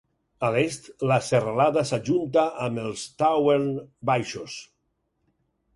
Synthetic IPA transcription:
alest̪laseralaðasaʒunt̪aʔːmelˠst̪aweɾnbajʃos

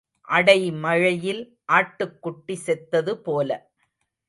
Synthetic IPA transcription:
ʔɐɽɐɪmɐɻɐjɪl | ʔaːʈːɯkːʊʈːisɛt̪ːɐðɯpoːlɐ̰

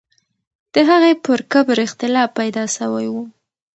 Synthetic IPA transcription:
d̪̥əɦaɣepəɾkəbɾɪxt̪ɪlɑpːajd̪ɑsawajwu

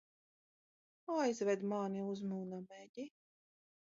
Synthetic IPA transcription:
ajzvɛd̪maːniuzmuːnamɛɟʲi

